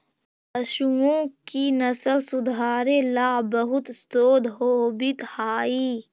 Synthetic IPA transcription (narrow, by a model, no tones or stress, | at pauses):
əʃuõkinɐsəlsʊd̪ʱaːɾelaːbəɦʊt̪st̪oːd̪ʱɦoːbɪt̪haːiː